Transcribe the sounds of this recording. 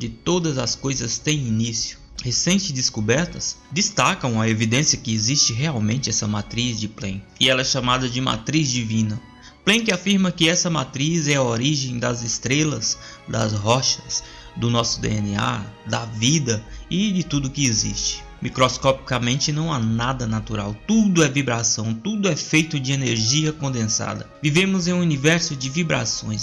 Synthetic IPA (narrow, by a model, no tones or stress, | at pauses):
d͡ʒɪt̪od̪ɐzɐskojzɐst̪ẽj̃inisijʊ̥ | hesẽnt͡ʃɪzd̪ɪskubɛɾt̪ɐsd͡ʒ̪ɪst̪akɐ̃w̃ɐevid̪ẽsiɐkɪezist͡ʃɪɦeawmẽnt͡ʃɪɛsɐmat̪ɾizd͡ʒɪplẽkɪɪɛlɐɛʃamad̪ɐd͡ʒɪma̰t̪ɾizd͡ʒivĩnɐ | plẽkɪafiɾmɐkɪɛsɐmat̪ɾizɛɐoɾiʒẽj̃d̪ɐzɪst̪ɾelɐzd̪ɐ̰zɦɔʃɐzs | d̪ʊnɔsʊd̪ḛenia̰d̪ɐvid̪ɐɪd͡ʒɪt̪ud̪ʊkɪezḭst͡ʃɪ̥ | mikɾoskɔpi̥kɐmẽnt͡ʃɪnɐ̃w̃anad̪ɐnat̪uɾa̰wt̪ud̪ʊɛvibɾasɐ̃w̃t̪ud̪ʊɛfejt̪ʊd͡ʒɪeneɾʒiɐkõnd̪ẽsa̰d̪ɐ̰vivẽmʊzẽj̃univɛɾsʊd͡ʒɪvibɾa̰sõ̰j̃s